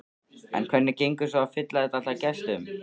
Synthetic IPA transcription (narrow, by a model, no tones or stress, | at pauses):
ɛ̰nkʰvɛnːɪcejŋkʏ̥saafɪt̪laðɛt̪alacɛst̪ʏm